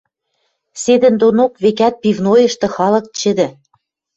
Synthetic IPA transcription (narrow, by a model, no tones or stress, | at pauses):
sed̪ə̆nd̪onokβekæt̪̚pivnojɤ̆ʃt̪ɤ̆xɑlɤ̆k̚t͡ɕɘ̆d̪ɘ̆